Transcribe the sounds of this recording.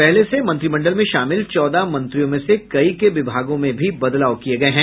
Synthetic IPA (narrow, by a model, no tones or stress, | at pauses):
pɛɦlesemɐ̃nt̪ɾimɐ̃ɳɖəlmẽʃaːmɪlt͡ʃɔːd̪amɐ̃nt̪ɾijõmẽsekɐikeʋɪbʱaːɡõmẽbʱibɐd̪laːokieɡɐeɦɛ̃ː